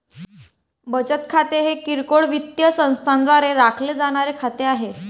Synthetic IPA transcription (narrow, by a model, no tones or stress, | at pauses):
bət͡ɕət̪kʰat̪eɦekiɾkoɭʋit̪jəsə̃w̃st̪ʰand̪ʋaɾeɾakʰled͡zaɽ̃aɾekʰat̪eaɦe